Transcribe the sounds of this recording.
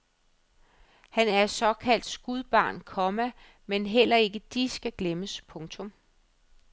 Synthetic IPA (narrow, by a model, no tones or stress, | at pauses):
hænæɐsɒ̽kʰæl̰d̥sɡ̥uðˠb̥ɑ̈ːnkʰɒ̽mæ | menɦel̰ɐe̝ɡ̥əd̥isɡ̥æɡ̥leməspʰɔ̽ŋt͡sʰɔ̽m